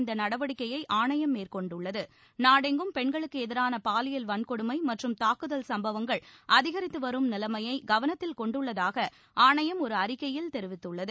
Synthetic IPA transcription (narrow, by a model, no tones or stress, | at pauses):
nd̪ɐnɐɽɐʋɐɽɪkːɐjɐɪʔaːɳɐjɐmːeːrkɔɳɖɯɭːɐðɯ | naːɽɛŋɡɯmpɛɳɡɐɭɯkːɯɛðɪɾaːnɐpaːlɪjɐlʋɐnkɔɽɯmɐɪmɐʈrɯmt̪aːkɯðɐlsɐmbɐʋɐŋɡɐɭʔɐðɪɣɐɾɪt̪ːɯʋɐɾɯmnɪlɐmɐjɐɪɡɐʋɐnɐt̪ːɪlkɔɳɖɯɭːɐðaːɣɐ | ʔaːɳɐjɐmɔɾɯɐɾɪkːɐjɪlt̪ɛɾɪʋɪt̪ːɯɭːɐðɯ